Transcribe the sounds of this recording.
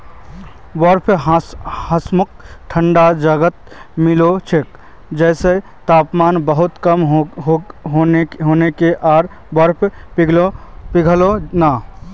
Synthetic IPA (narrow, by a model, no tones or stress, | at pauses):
wəɾpʰ | həsmʊk̚ʈʰəɳɖad͡ʒaɡət̪̚ | mɪlot͡ʃʰek̚ | d͡ʒɛːse | t̪aːpmaːnbəɦʊt̪kəmɦɦɦoeɦoːnekeʔaːɾ | wəɾpʰpiɡopiɡʱlona